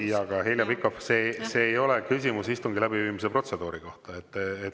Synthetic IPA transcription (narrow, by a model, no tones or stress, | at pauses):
jɑɡ̥ɑɦeljɑvikːˑo̞fseseːjo̞le̞kysʲimusist̪uŋɡilæbiviːmis̬epro̞t̪se̞d̪uːɾiko̞ht̪ɑet̪ːet̪ː